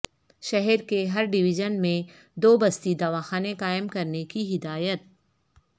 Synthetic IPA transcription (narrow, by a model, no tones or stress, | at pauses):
ʃɐɦɛɾkeɦɐɾɖɪʋɪʒənmẽ | d̪oːbɐst̪id̪ɐʋaːxaːneqaːɪmkɐɾnekiɦɪd̪aːjət̪̚